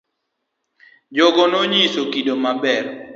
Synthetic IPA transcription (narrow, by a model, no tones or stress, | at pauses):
d͡ʒɔɡɔnoɲisokidomabɛr